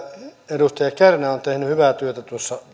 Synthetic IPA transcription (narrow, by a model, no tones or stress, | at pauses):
edust̪ɑjɑkærnæont̪ehnyhyʋæt̪yøt̪æt̪uosːɑ